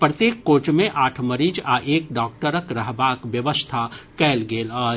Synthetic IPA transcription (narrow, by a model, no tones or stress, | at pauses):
pɾət̪jeːkːoːt͡ʃmẽʔaːʈʰməɾiːd͡ʒaʔeːkɖaːkʈəɾəkɾɐɦbaːkʋjɐʋəst̪ʰakɛːlɡeːlɔː